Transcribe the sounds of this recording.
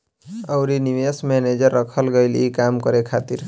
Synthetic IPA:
əʊɾiniʋesmɛned͡ʒəɾːəkʰəlɡəɪlikamkəɾekʰat̪iɾ

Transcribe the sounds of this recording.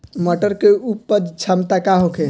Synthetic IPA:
mɔʈəɾkeupːəd͡ʒt͡ʃʰamt̪akaɦoke

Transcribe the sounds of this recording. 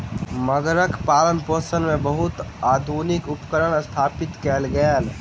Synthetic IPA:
məɡɾəkʰpaːlənpoːsənmẽbəɦʊt̪aːd̪ʱuːnɪkʊpkəɾəɽst̪ʰaːpɪt̪kɛːlɡɛːl

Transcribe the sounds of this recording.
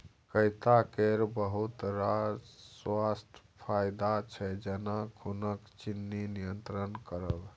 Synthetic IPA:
kəjt̪akeɾbəɦut̪ɾaswast̪ʰ | pʰajd̪at͡ʃʰɛd͡ʒənakʰunəkt͡ʃinːinijənt̪ɾənkəɾəb

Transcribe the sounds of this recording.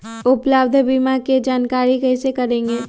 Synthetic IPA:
ʊpləbd̪ʱbimaked͡ʒaːnkaːɾikɛɪsekɐɾẽːŋɡeː

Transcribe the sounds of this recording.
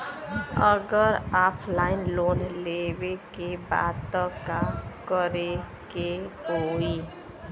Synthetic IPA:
əɡəɾapʰlaɪnlonlebekeba̰d̪̚t̪ːəkamkəɾe | keoi

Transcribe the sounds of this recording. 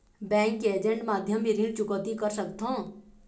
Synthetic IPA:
bɛ̃ːŋkːeeːd͡ʒə̃ɳʈmaːd̪ʱjəmbʱiɾiːlt͡ʃʊkɔt̪ikəɾsəkt̪ʰõː

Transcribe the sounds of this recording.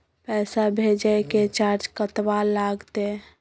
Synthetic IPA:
pɛːsabʱed͡ʒəket͡ʃaɾd͡ʒkət̪walaɡt̪e

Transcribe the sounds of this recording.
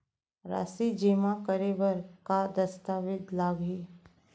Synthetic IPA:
ɾa̰ːsid͡ʒeːmakəɾeʋəɾkad̪ɐst̪aːʋɪd̪laːɡɦi

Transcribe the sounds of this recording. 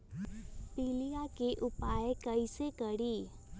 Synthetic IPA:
piːlijakeʔʊpaːekɐisekəɽiː

